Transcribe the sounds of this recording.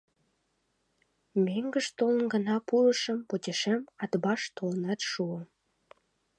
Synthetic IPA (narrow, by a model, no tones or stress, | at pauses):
meŋɡəʃt̪olənɡənɑpuləʃəmpot̪ʲeʃemɑt̪bɑʃt̪olənɑt̪ʃuəm